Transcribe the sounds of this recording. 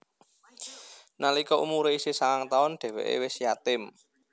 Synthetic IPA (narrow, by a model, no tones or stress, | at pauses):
nalikɔʔṵmuɾeisisaŋaŋt̪aʊnɖ̪̥ɛ̤wḛʔḛwɪsjat̪ɪm